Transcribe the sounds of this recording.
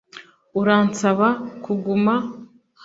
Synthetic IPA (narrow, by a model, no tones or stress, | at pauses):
uɾaːnsaβakuɡuma | h